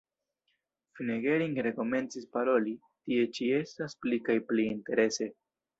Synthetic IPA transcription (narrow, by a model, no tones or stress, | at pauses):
fineɡe̞ɾiŋɡɾe̞ko̞me̞nt͡sispaɾo̞li | tie̞t͡ʃie̞stasplikajpliːnte̞ɾe̞se̞